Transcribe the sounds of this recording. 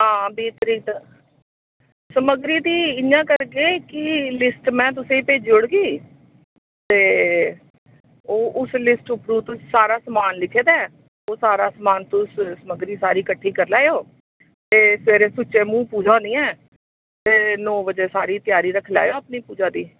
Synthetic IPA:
ɦãːbiːt̪ɾiːt̪ː | səməɡɾiːd̪iːɪjãːkəɾɡeːkɪlɪsʈmɛ̃ːt̪̬ʊsẽːĩːpeːd͡ʒʊɽɡiː | t̪eː | oːʔʊslɪsʈʊpɾuːt̪ʊsaːɾaːsəmaːnlɪkʰːeːd̪ɛː | oːsaːɾaːsəmaːnt̪ʊssəməɡɾiːsaːɾiːkəʈʰːiːkəɾlaːjoː | t̪eːsʋeːɾẽːsʊt͡ʃːẽːmũːpuːd͡ʒaːõːnd̪iːɛː | t̪eːnɔːbəd͡ʒeːsaːɾiːt̪ɪjaːɾiːɾəkʰːla̰ːjoːəpniːpuːd͡ʒaːd̪iː

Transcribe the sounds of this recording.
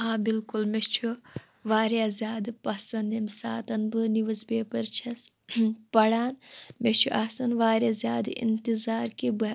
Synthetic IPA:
ãːbilkulmet͡ʃʰu | ʋaːɾjaːzʲjaːd̪ɨpɐsɐnd̪emsa̰ːt̪ɐnbɨniʋɐsbeːpɐɾt͡ʃʰɐs | pɐɽaːnmet͡ʃʰuʔɐsɐnʋaːɾjazjaːd̪ɨḭnt̪izaːɾkibɐ

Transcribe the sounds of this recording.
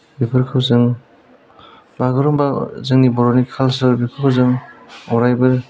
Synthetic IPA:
bipʰɯɾkʰawzɯŋ | baɡɯɾɔmbazɯŋnibɔɾɔnikʰalsɯɾbipʰɯɾkʰawzɯŋɔɾajbɯɾ

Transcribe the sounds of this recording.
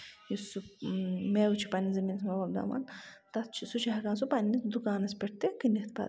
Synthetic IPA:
jisumeːwut͡ʃʰi̥paːnʲizɐmiːnɐsmɐbabd̪a̰ːma̰nt̪ɐst͡ʃʰisut͡ʃʰiɦɐkaːns̬upaːnʲinid̪ukaːnɐspʲɐʈʰt̪ikinikt̪ʰpa̰ː

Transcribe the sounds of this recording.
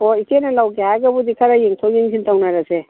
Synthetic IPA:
ɔikenalawɡehajɡabud̪ikʰaɾajeŋtʰowjeŋsʰintawnaɾase

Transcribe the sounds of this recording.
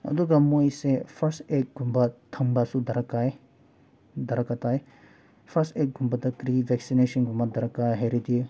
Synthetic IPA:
ɐ̰d̪uɡɐmːujsepʰɐɾsʈek̚ɡumbat̪ʰɐŋbasud̪ɐɾɐkaj | d̪ɐɾɐkɐt̪aːje | pʰɐsek̚ɡumbat̪ɐkɾiʋɛksineʃɐnɡumbɐd̪ɐɾɐkaɦeɾid̪ie

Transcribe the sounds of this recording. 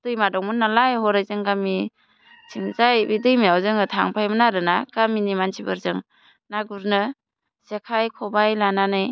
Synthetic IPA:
d̥ɯjmadɔŋmɯnːalajhɔɾajzɯŋɡami | tʰiŋzajbidɯjmijawzɯŋɯtʰaŋpʰajmɯnaɾɯnaɡ̥aminimansʰibɯ̰ɾzɯŋ | naɡuɾnɯ | sekʰajkʰɔbajlananɯj

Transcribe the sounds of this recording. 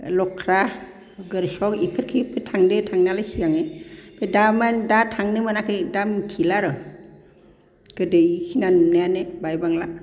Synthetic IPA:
lɔkʰɾa | ɡɯɾsɔkikʰɯɾkʰipʰɯtʰaŋdetʰaŋnalasijaŋepʰedamandatʰaŋnɯmanakʰɯjdamkʰilaɾɯ | ɡ̥ɯdejkʰinannajanɯbajbaŋla

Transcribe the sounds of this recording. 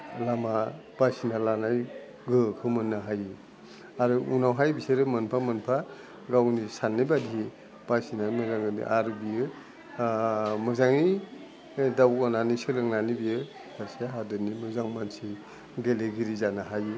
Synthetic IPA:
lama | b̥asinalanaj | ɡɯkʰɯmɯnːaɦajɯ | aɾɯʔunawɦajbiseɾɯmɯnpʰamɯnpʰa | ɡawnisanːibadii | b̥asinajmɯzaŋɯdḭʔaɾɯbijɯ | mɯzaŋi | dawɔnanisɯlɯŋnanibijɯ | kʰaɾseɦadɯnimɯzaŋmansi | ɡeleɡiɾizanaɦajɯ

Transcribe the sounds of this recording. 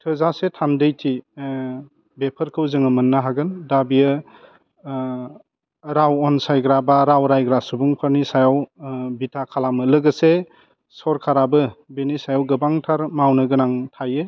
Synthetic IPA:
tʰɯzasetʰamdɯjtʰi | bepʰəɾkʰɯwzɯŋɯmɯnːaɦaɡɯndabijɯ | ɾawɔnsajɡɾabaɾawɾajɡɾasubuŋpʰaɾnisajawbitʰakʰalamɯlɯɡɯse | sɔɾkʰaɾabɯbenisajawɡɯbaŋtʰaɾmawnɯɡɯnaŋtʰajɯ

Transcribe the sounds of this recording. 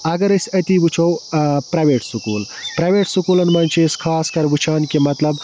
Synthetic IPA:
ɐɡɐɾɐsʲɐt̪iʋut͡ʃʰowpɾɐʋeːʈsukuːl | pɾɐjʋeːʈsukuːlɐnmɐnʲt͡ʃʰiskʰaːskɐɾbut͡ʃʰaːnkemɐt̪lɐb

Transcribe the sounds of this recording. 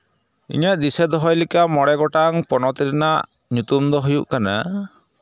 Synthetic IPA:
ḭɲaʔd̪isɛd̪ɔɦɔjlikamɔɽɛɡɔʈaŋpɔnɔt̪iɾinaʔ | ɲut̪umd̪ɔɦujuʔkana̰

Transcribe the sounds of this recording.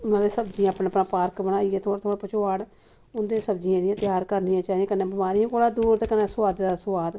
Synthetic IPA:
ʊnãːleːsəbd͡ʒĩãːpnẽəpnãːpaːɾkbəɽaːieːt̪ʰoːaːt̪ʰoːɽaːpət͡ʃʰoːaːɽ | ʊnd̪eːsəbd͡ʒiːãlijãːt̪ɪjaːɾkəɾnijãːt͡ʃaːɦiẽːkəneːbəmaːɾiːõkoːɽaːd̪uːɾt̪ːkəneːsʊʋaːd̪d̪aːsʊʋaːd̪

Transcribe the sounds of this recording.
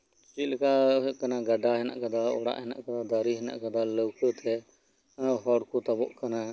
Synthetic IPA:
t͡ʃilkakanaɡaɖaɦɛna̰ʔkad̪aɔ̰ɽa̰ʔɦɛna̰ʔkad̪ad̪aɾiɦɛna̰ʔkad̪aləwkʰət̪ʰɛ | ɦɔɽkut̪abɔʔkana

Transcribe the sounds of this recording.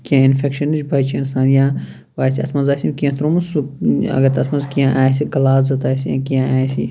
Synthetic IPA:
kiãinfekʃɐnid͡ʒbʱɐt͡ʃiɐnsaːnjãː | ʋaːsiɐtsmɐnzaːsʲimkijãt̪ɾomɐsuɐ̰ɡɐt̪ɐt̪mɐnzkijãʔaːjsiɡɐlaːzzɐt̪aːsijã̰ːkijãaːjsḭ

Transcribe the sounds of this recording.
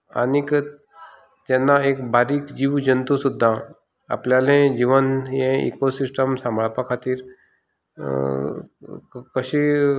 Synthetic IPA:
a̰nik | t̪ɛ̃nːaekbʱaɾikd͡ʑiʋd͡ʒənt̪usud̪ʱːa | a̰pljalẽd͡ʑiʋənjẽḭkosisʈəmsãmbʱaɭpakʰat̪iːɾ | kəɕi

